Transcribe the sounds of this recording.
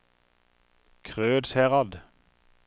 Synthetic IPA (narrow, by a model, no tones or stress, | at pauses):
kʰʁøːd̪sæːʁɑd̪